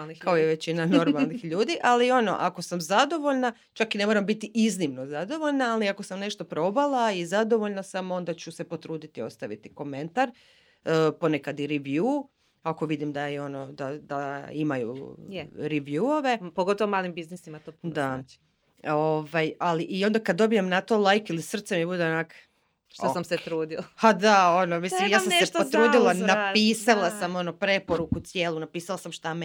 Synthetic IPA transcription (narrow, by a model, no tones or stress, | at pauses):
nikaojeʋe̞t͡ɕinano̞ɾmalnixʎuːd̪iʔalio̞no̞̰ʔako̞samzad̪o̞ʋo̞ʎna | t͡ʃakine̞moɾambit̪iʔiznimno̞zad̪o̞ʋo̞ʎnaːliakosamne̞ʃt̪o̞pɾo̞balˠaizad̪o̞ʋoʎnasamo̞nd̪at͡ɕuse̞po̞t̪ɾuːd̪it̪io̞st̪aʋḭt̪iko̞me̞nt̪aɾ | po̞nekad̪iɾɛʋjuː | ako̞ʋid̪imd̪ajeono̞d̪ad̪aimajṵ | ɾiʋjuoʋe̞poɡot̪oʋomaːlimbiznisimat̪opd̪a | oʋajaliʔio̞nd̪akad̪dːo̞bijemnat̪o̞lˠajkilisr̩t̪semjebud̪eonak | ʃt̪asamset̪ɾuːd̪ilapad̪ao̞nomislimjaːsamsepot̪ɾuːd̪ilˠanapiːsalˠasamo̞no̞pɾe̞po̞ɾukut̪sjeːlˠunapiːsalˠasamʃt̪am